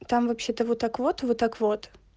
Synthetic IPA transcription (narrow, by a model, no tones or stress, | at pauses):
t̪amvɐpɕːet̪əvot̪akvot̪vot̪ːakvot̪